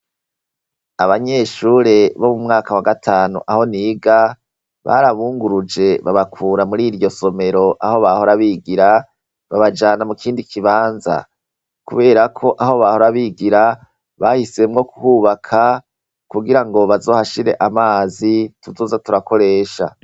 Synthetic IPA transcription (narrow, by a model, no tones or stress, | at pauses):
aβaɲe̞ːʃuɾe̞βomumŋaːkawaɡatʰaːnṵʔaho̞niːɡa | βa̰ɾaβuːŋɡuɾud͡ʒe̞βaβakʰuːɾamuɾiːɾɟo̞so̞me̞ɾo̞ʔaho̞βahoɾaβiːɡiɾa | βaβad͡ʒaːnamukʰiːndikʰiβaːnza̰ | kuβe̞ːɾakʰo̞ʔaho̞βahoɾaβiːɡiɾa | βahise̞mŋo̞ku̥huːβakʰa | kuɡiɾaŋɡo̞βazo̞ːhaʃiɾe̞̰ʔamaːzituzoːzatuɾako̞ɾe̞ːʃa̰